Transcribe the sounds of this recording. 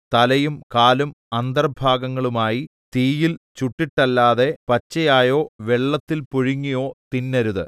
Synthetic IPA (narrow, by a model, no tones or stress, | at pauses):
t̪ɐlɐjumkaːlum | ɐnd̪ɐrbʱaːɡɐŋːɐɭumaːji | t̪iːjilt͡ɕuʈːiʈːɐlːaːðe̞pɐt͡ɕːɐjaːjo̞ːʋeɭːɐt̪ːilpoɻiŋːijo̞ːt̪inːɐɾuðɨ̰